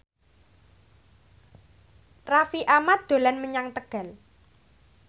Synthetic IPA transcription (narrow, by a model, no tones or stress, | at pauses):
rafiʔamat̪̚d̪̥o̤lanməɲaŋt̪əɡ̥a̤l